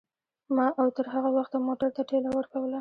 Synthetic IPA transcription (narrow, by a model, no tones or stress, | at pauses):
mɑʔawt̪əɾɦaɣawaxt̪moʈaɾt̪aʈelawəɾkawəla